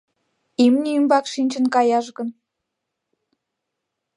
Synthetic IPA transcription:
imniːmbɑkʃinʲt͡ɕənkɑjɑʃɣə̆n

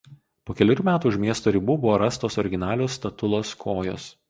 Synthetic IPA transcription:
poːkʲɛlʲɪɾʲʊmʲæːt̪uːʊʃʲmʲiɛst̪oːɾʲɪbuːbʊʋoːɾɐst̪oːsɔɾʲɪɡʲɪnɑːlʲoːst̪ɐt̪ʊlˠoːskʰoːjo̰ːs

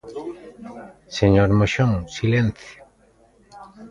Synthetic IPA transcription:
seɲoɾmoʃoŋsilenθjo

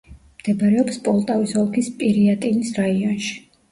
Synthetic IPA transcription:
md̪̥ɛbɾɛɔpspʼɔlˠt̪ʼavisɔlˠkʰispʼiɾiat̪ʼinisɾaiɔnʃi̥

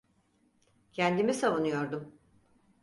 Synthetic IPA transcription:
cʰɛnd̪imisavunujo̞ɾd̪um

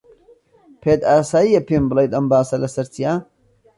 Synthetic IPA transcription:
pʰeːd̪aːsaːjijɐpʰeːmbɨlˠejt̪ɐmbaːsɐlɐsɐɾt͡sijaː

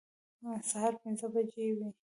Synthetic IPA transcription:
asahɑɾpɪnzəbad͡ʒewi

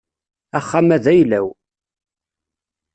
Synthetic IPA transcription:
æχːamæðæjlæw

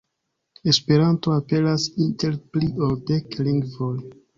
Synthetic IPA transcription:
e̞spe̞ɾantoape̞lasinte̞ɾplioldekliŋɡvoj

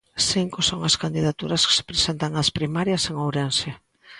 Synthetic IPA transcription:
siŋkosoŋɐskand̪iðat̪uɾɐske̥se̥pɾesent̪aŋaspɾimaɾjɐseŋowɾenʃe

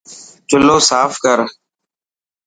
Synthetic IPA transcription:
t͡ʃʊloːsaːfkəɾ

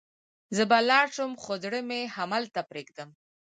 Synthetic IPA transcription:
zəbalɑʃəmxod̪ɽəmehamalt̪apɾeɡ̚d̪əm

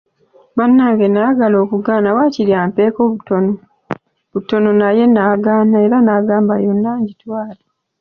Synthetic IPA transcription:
banːaːŋɡe̞naːɡalo̞ːkuɡaːnawaːciɾjaːmpe̞ːkoβutono | βuto̞no̞naje̞naːɡaːnae̞ɾanaːɡaːmbajo̞nːaːɲɟitwaːla

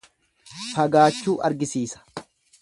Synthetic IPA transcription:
fɐɡaːt͡ʃːuːʔɐ̰ɾɡɪsiːsɐ̥

